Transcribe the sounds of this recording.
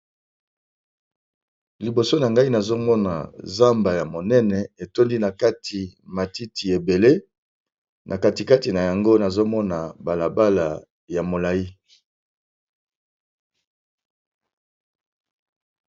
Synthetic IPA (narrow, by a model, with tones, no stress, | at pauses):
li˨bo˨so˦na˨ŋɡa˦i˦na˨zo˦mɔ˦na̰˨za˦mba˨ja˨mo˨nɛ˦nɛ˨e˨to˦ndi˦na˨ka˦tʰi˨ma˨ti˦ti˨e˨be˨le˦ | nʔa˨ka˦ti˨ka˦ti˨na˨ja˨ŋɡo˦na˨zo˦mɔ˦na˨ba˨la˨ba˦la˨ | ja˨mo˨la˨ji˦